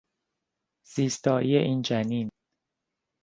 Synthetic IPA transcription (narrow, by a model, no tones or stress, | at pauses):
z̥iːst̪ʰɒːʔijeʔiːnd͡ʒæniːn